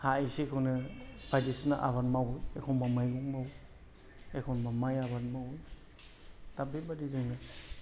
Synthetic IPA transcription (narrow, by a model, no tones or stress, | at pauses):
haisikʰawnɯb̥adisnaʔa̰βanmawɯjekʰonmamajɡɔŋmaw | ekʰownmamajabatmawɯj | tabebadizɯŋnɯ